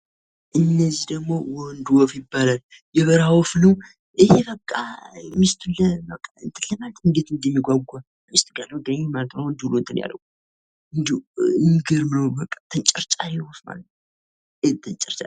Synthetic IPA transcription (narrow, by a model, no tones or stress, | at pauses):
ʔɨnːəzːihd̪əɡmowɔnd̪wɔfjɪbːalal | jɛβəɾawɔfnəw | ʔɨheβəkʼːamɨst̪ʰunəməkʼːaɨ̰nt̪ʰɨlːəmalt̪ʰɨnɡet̪ɨnd̪ɛmːiɡʷaɡʷa | mist̪ʼɡalːəwd̪əɲmalət̪nəwnd̪ihulont̪ʰɨnja̰lːə̰w | ɨnd̪iɨnɡəɾmɨnəwbəkʼːḁt̪ʰɨnt͡ʃʼɪɾt͡ʃʼalewɔfma̰lət̪ | et̪ʰɨnt͡ʃʼɪɾt͡ʃʼal